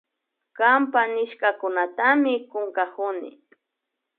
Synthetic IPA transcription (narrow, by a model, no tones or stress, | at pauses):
kampanɪʃkakʊnat̪amɪkʊŋkakʊnɪ̰